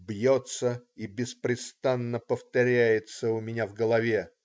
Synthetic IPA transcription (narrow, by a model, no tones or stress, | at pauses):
bjot̪səibʲɪspɾʲɪst̪anːəpəft̪ɐɾʲæjɪt̪səʊmʲɪnʲavɡəlˠɐvʲe